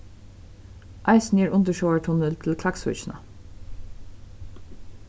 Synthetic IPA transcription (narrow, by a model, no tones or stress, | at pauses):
ʔɑɪsn̩jəɹʊnt̪əʃoʊəɹʈʰʊnəlt̪ʰɪlkʰlɑksʊ̰t͡ʃnə̰